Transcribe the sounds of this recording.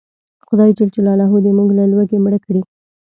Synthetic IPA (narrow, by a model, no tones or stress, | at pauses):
xʊd̪ɑjit͡ʃelt͡ʃelɑlɑɦud̪emuɡlalwəɡemɽəkɽi